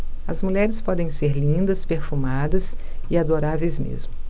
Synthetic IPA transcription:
ɐzmuʎɛɾɪspɔd̪ẽj̃seɾlĩnd̪ɐspeɾfumad̪ɐs | ɪad̪oɾavejzmḛzmʊ

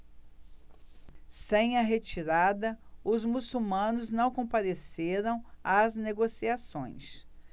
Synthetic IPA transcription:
sẽj̃ɐɦet͡ʃiɾad̪ɐʊzmusumɐ̃nʊznɐ̃w̃kõpaɾeseɾɐ̃w̃ɐzneɡosiasõ̰j̃s

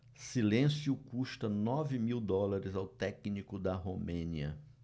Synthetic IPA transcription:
silẽsjʊkuʃt̪ɐnɔvɪmiwd̪ɔlaɾɪzawt̪ɛknikʊd̪ɐɦomẽniɐ

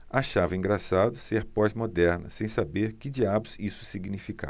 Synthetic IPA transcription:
aʃavɐĩŋɡɾasad̪ʊseɾpɔjzmod̪ɛɾnɐ̰sẽj̃sabeɾkɪd͡ʒiabʊzisʊ̥siɡnifika̰

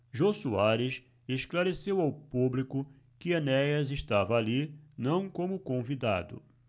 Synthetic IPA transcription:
ʒosuaɾɪs | eʃklaɾesewawpublikʊ | kɪɐnɛjɐzeʃt̪avɐːlinɐ̃w̃kõmʊkõvid̪a̰d̪ʊ̰

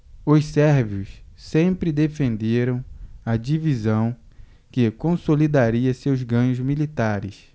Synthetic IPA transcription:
ʊssɛɾviʊssẽmpɾɪd̪efẽnd̪eɾɐ̃w̃ɐd͡ʒivizɐ̃w̃ | kɪkõsolid̪aɾiɐsewzɡɐ̃ɲʊzmilit̪aɾɪ̰s

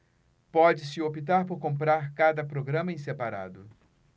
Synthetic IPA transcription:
pɔd͡ʒɪsɪopit̪aɾpoɾkõpɾaɾkad̪ɐpɾoɡɾɐ̃mɐẽsepaɾa̰d̪ʊ

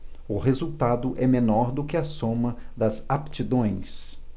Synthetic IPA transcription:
ʊɦezuwt̪ad̪ʊʔɛmenɔɾd̪ʊkɪɐsõmɐd̪ɐzapt͡ʃid̪õj̃s

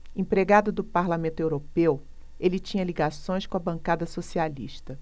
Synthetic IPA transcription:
ẽpɾeɡad̪ʊd̪ʊpaɾlamẽnt̪ʊewɾopew | elɪt͡ʃĩɲɐliɡasõj̃skõɐbɐ̃kad̪ɐsosialḭʃt̪ɐ

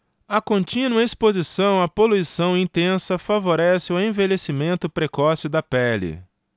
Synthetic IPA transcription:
ɐkõnt͡ʃĩnuɐespozisɐ̃w̃ɐpoluisɐ̃w̃ĩt̪ẽsɐfavoɾɛsɪʊẽvelesimẽnt̪ʊpɾekɔsɪd̪ɐpɛlɪ̰

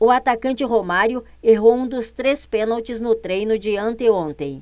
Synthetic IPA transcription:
ʊat̪akɐ̃nt͡ʃɪɦomaɾjʊ | eɦowũd̪ʊst̪ɾespẽnawt͡ʃɪznʊt̪ɾejnʊd͡ʒɪɐ̃nt̪eõnt̪ẽj̃

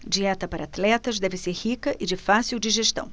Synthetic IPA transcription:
d͡ʒiɛt̪ɐpaɾɐat̪lɛt̪ɐzd̪ɛvɪseɾhikɐʔɪd͡ʒɪfasiwd͡ʒiʒeʃt̪ɐ̰̃w̃

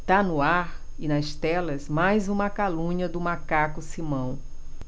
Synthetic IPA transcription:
t̪anʊaɾɪnɐst̪ɛlɐzmajzũmɐkalũɲɐd̪ʊmakakʊsimɐ̃w̃

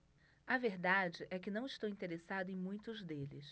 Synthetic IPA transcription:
ɐveɾd̪ad͡ʒɪʔɛkɪnɐ̃w̃ɪʃt̪owĩnt̪eɾesad̪ʊẽj̃mũj̃t̪ʊzd̪elɪ̰s

